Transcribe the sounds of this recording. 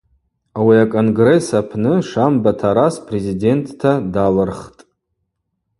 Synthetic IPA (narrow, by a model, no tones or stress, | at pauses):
awiakʼo̞nɡre̞sapʰnɨʂambatʰaɾaspʼre̞zide̞ntːʰadalɨrχtʼ